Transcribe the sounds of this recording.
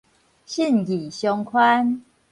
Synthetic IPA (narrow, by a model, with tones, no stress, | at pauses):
ɕi˥˨nɡi˨˩ɕjɔ˧ŋkʰwa˦n